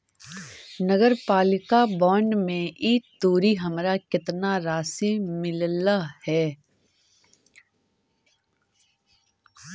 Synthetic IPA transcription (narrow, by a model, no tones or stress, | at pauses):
nəɡəɾpaːlɪkabɔːɳɖmẽʔiːt̪oːɾiɦəmɾakɪt̪naɾaːsimɪllahɛː